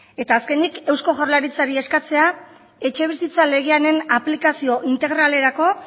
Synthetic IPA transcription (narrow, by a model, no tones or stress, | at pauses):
e̞t̪aːske̞nike̞wsko̞ʝawlaɾit͡saɾie̞skat͡se̞a | e̞t͡ʃe̞β̞isit͡sale̞ɣeane̞naplikasio̞ʔint̪e̞ɣɾale̞ɾako̞